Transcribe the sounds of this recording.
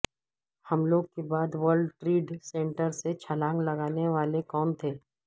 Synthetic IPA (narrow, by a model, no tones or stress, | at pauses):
hɐmloːɡ̚kebaːd̪ʋəɾɖʈɾiːɖsɛ̃ːɳʈəɾset͡ʃʰɐlãːŋɡlɐɡaːneʋaːlekɔːnt̪ʰeː